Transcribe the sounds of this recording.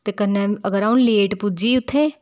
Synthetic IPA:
t̪eːkənːeəɡəɾaːũnleːʈpud͡ʒiːʊt̪ʰːeː

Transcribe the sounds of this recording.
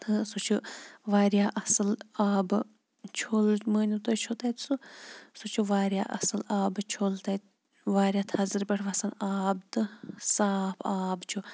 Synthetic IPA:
t̪ʰɨsut͡ʃʰuʋaːɾjaːʔɐsɨlaːbɨ | t͡ʃʰoːlməːnʲut̪oːjt͡ʃʰot̪ɐjt̪ʰsusut͡ʃʰuʋaːɾjaːʔɐ̰sɨlaːbt͡ʃʰolt̪ɐt̪ | ʋaːɾʲjaːt̪ʰɐzɨɾbʲɐʈʰʋɐsanaːbt̪ɨsaːpʰaːbt͡ʃʰu

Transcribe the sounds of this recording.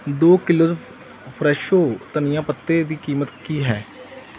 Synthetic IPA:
d̪oːkɪloːz | pʰɾɛːʃoːt̪ənɪjãːpət̪ːeːd̪iːkiːmət̪kiːɦɛː

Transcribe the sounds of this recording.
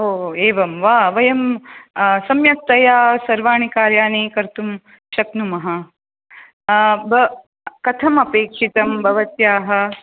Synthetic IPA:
ɦoːeːʋɐmʋaːʋɐjɐm | sɐmjɐk̚t̪ːɐjaːsɐɾʋaːɳ̃ikaːɾjaːnikɐɾt̪um | ʃɐknumɐɦɐ | bʱɐ | kɐt̪ʰɐmɐpeːkʂit̪ɐmbʱɐʋɐt̪jaːɦɐ̆

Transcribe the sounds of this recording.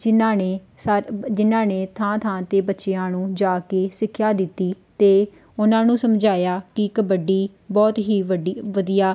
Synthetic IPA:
ɪnaːneː | sd͡ʒɪnãːneːt̪ʰãːt̪ʰãːt̪eːbətːʃeːãːnũːd͡ʒaːkeːsɪkʰːjaːd̪ɪt̪ːiːt̪eː | ʊnãːnũːsəmd͡ʒaːjaːkɪkəbəɖiː | bɔːt̪ɦiːʋəɖʋəd̪ijaː

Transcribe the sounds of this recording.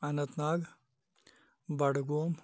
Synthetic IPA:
ɐnɐt̪naːɡ | bɐɽɡoːm

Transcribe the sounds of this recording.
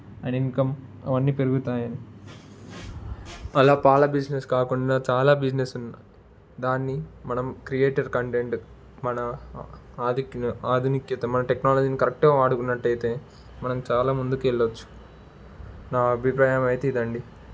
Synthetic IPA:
ɐniŋkɐmɐ̰ʋɐnːiːpeɾuɡut̪aːjɐni | ɐlaːpaːlɐbid͡ʒneskaːkuɳɖaːt͡ʃaːlaːbid͡ʒnesunːɐ | d̪aːnːimɐnɐmkɾijeːʈɐɾkɐɳʈeɳʈ | mɐnɐ | aːd̪ʱiknuaːd̪ʱunikjɐt̪ɐmɐnɐʈeknaːlɐd͡ʒiːnikɐɾek̚ʈɐɡaːaːɽukunːɐʈːɐjt̪e̞ː | mɐnɐmt͡ʃaːlaːmund̪ukɛɭːɐt͡ʃːu̥ | naːɐbʱipɾaːjɐmɐjt̪eid̪ɐɳɖi

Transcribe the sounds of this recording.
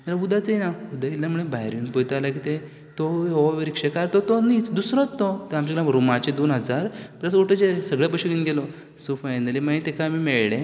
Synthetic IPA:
alaud̪at͡seinaud̪ailːam̤uɭ̃ebaɦɾjuːnpojt̪alakit̪e | t̪ɔɔʋeɾikʂekaɾt̪ɔt̪ɔnit͡sd̪usɾɔt̪ːɔt̪eamt͡ɕaɡlaɾomat͡ɕed̪onɦəd͡zaɾpləsoʈət͡ɕesəɡɭjap̬əɕəɡinɡelɔ | sofajnəlimaɦit̪ekamiːmeɭɽẽ

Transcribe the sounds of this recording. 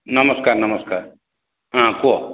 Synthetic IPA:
nɐməskaɾnɐməskaːɾ | ãku

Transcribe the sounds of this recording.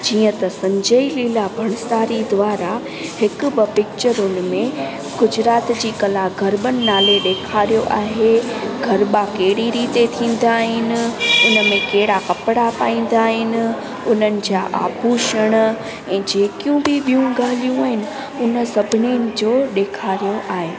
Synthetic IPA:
d͡ʑiːə̃t̪ɐsɐ̃ɲd͡ʑəiliːlabʱɐɽ̃saːɾid̪ʋaːɾa | hɪkʊ̆bɪpɪk̚t͡ɕəɾʊnɪ̆mẽ | ɡ̥ʊd͡ʑɾaːt̪d͡ʑiːkɐlaɡʱɐɾɓənɪ̆naːleɗeːkʰaːɾijoʔaːɦeɡʱɐɾɓakeːɽiɾiːt̪et̪ʰĩːn̆d̪aːɦɪnɪ̆ʊnəmẽkeɦɪɽakɐpɪɽapaːĩːn̆d̪aːɦɪnɪ̆ | ʊnənɪ̆d͡ʑaːʔa̰ːbʱuːʃəɽ̃ | ɛ̃ːd͡ʑeːkjũbɪɓijũɡaːlijũaːɦɪnɪ̆ | ʊnə̆sɐbʱɪnenɪ̆d͡ʑoːɗeːkʰaːɾijoʔaːɦeː

